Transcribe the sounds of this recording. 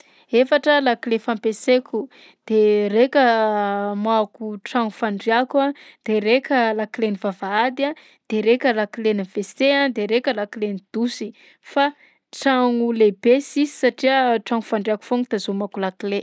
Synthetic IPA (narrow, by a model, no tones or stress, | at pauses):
efaʈ͡ʂəlakilefampesekʲu | d̪̥erekʲə | makuʈ͡ʂaŋufaɳɖ͡ʐiakad̪̥eɾekʲəlakilenivavaad̪a | d̪̥eɾekʲəlakileniveseand̪eɾekʲəlakilenid̪̥usi | fa | ʈ͡ʂaŋulebesizi̥saʈ͡ʂiəʈ͡ʂaŋufaɳɖ͡ʐiaku̥foŋit̪azomakulakle